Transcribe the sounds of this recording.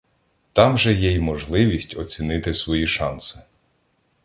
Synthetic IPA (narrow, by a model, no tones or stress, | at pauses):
t̪ɑmʒɛjɛjmɔʒlˠɪʋʲisʲtʲɔt͡sʲinɪt̪ɪsʋɔjiʃɑnsɪ̥